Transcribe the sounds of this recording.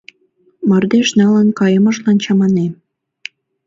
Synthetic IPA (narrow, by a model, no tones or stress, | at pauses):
mɑrd̪eʃnɑlənkɑjə̆mɤ̆ʃlɑnt͡ɕɑmɑne